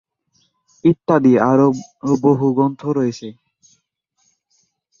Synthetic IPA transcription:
it̪ːad̪iaɾooboɦuɡɔnt̪ʰoɾɔjet͡ɕʰe

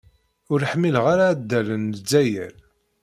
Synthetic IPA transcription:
ʊɾəħmːilʁaɾad̪ːælənəd͡zːæjæ̰l

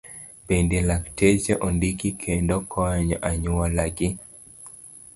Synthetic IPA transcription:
pendelaktet͡ʃeʔondikikʰendɔkʰɔɲɔʔaɲʊalaɡɪ

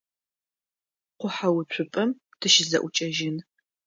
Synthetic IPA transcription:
qʷʊħawʊt͡ɕʷʰʊpʼɐm | tʰɨʃɪzɐ̰ʔʷʊt͡ʃʼɐʒɪn

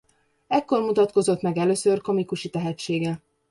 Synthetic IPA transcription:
ɛkːo̞rmut̪ɒt̪ko̞zo̞t̪mɛɡɛløːsørko̞mikuʃit̪ɛɦɛt͡ʃːeːɡɛ

